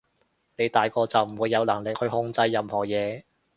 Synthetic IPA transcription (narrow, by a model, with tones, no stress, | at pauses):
ne˨˧jt̪aː˨jkɔː˧t͡sɐ˨wm̩˨˩wuː˨˧jːɐ˨˧wlɐ˨˩ŋlɪ˨k̚hɵ˧ɥhʊ˧ŋt͡sɐ˧jːɐ˨˧mhɔː˨˩jɛː˨˧